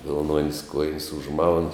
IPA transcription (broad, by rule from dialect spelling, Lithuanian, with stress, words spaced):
ʋʲɪlˠˈnuɔnʲsʲ ˈkuɔjɪnʲsʲ ʊʒˈmɐʊn